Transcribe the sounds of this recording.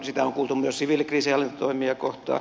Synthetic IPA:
sit̪æoŋkuːlt̪umyøssiʋilkriːsiɑlːint̪t̪oimiɑkoht̪ɑ̰

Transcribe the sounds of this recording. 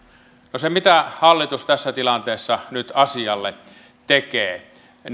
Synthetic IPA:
nosemit̪æhɑlːit̪ust̪æsːæt̪ilɑnt̪eːsːɑnyt̪ɑsiɑlːe | t̪ekeː

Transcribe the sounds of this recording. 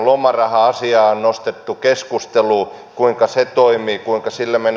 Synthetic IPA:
lomɑrɑhɑɑsiɑːonnost̪et̪ːukeskust̪eluː | kuiŋkɑset̪oimiːkuiŋkɑsilːemen

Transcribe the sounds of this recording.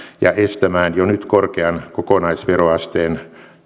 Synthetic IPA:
jɑ̰est̪æmæːnjonyt̪korkeɑnkokonɑisʋeroɑst̪eːn

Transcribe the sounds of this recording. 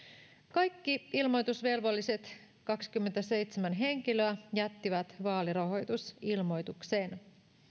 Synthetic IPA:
kɑjkːiilmo̞jt̪usʋe̞lʋo̞lːise̞t̪ | kɑksi̥kymːet̪æse̞jt̪semænɦe̞ŋkiløæjæt̪ːiʋæt̪ʋɑːliɾɑɦo̞jt̪usilmo̞jt̪ukse̞ːn

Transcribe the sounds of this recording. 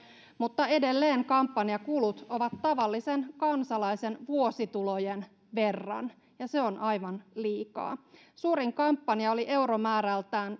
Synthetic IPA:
mut̪ːɑe̞de̞lːeːŋkɑmpːɑniɑkulut̪oʋɑt̪tɑʋɑlːisenkɑnsɑlɑise̞nʋuo̞sit̪ulojen | ʋe̞rːɑ̰n | jɑse̞o̞nʔɑjʋɑnliːkɑ̰ː | suːɾiŋkɑmpːɑniɑo̞liʔe̞uɾomæːɾælt̪æːn

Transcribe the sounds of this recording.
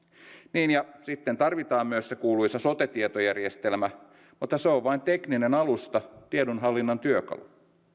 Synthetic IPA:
niːnjɑsit̪ːent̪ɑrʋit̪ɑːmmyøssekuːlujsɑso̞t̪et̪iet̪ojærjest̪e̞lmæ | mut̪ːɑseoʋʋɑint̪e̞kninenɑlust̪ɑt̪iedunɦɑlːinːɑnt̪yøkɑ̰lṵ

